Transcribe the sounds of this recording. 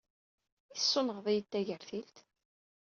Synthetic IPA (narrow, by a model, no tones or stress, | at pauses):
isːonəʁðˤijət̪ːæʝəɾθilt̪